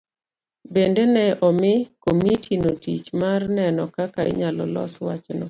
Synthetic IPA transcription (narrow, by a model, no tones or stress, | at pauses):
bendenɛɔmɪkomitʰinotit͡ʃmarnɛnɔkakaɪ̰ɲalɔ̰lɔ̰swat͡ʃnɔ